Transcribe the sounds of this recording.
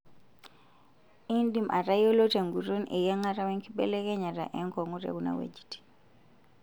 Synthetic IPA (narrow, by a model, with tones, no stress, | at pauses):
i˦ndi˨mʔa̰˨ɾa˦jo˦lo˦te˨ŋɡu˨ɾu˦nʔḛ˨ja˦ŋa˦ɾa˦wɛ˦ŋki˦ɓɛ̰˦lɛ˦kɛ˦ɲa˨ɾa˨ʔɛ˦ŋkɔ˨ŋu˦ɾɛ̰˨ku˦na̰˨wḛ˨d͡ʒi̥ti̥˨